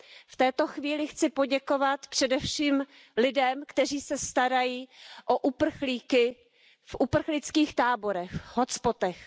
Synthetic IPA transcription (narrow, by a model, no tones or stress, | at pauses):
ft̪ɛːt̪o̞xviːlɪxt͡sɪpo̞ɟɛko̞vat̪pr̝̥ɛdɛfʃiːm | lɪdɛmkt̪ɛriːsɛst̪aɾajiːʔoʔupr̩xliːkɪ | fʔupr̩xlɪt͡skiːxt̪aːbo̞ɾɛxɦot͡spo̞t̪ɛx